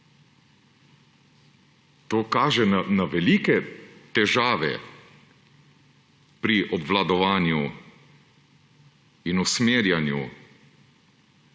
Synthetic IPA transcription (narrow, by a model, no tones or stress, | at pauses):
t̪oːkaːʒɛnanaʋɛlikɛt̪ɛʒaːʋɛ̰ | pɾiʔɔbʋlad̪ɔʋaːnju | inusmeːɾjanjṵ